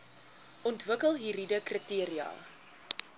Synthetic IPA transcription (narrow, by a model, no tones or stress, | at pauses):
ʔɔntvəkəlˠɦiɾidəkritiəɾiɐ̰ː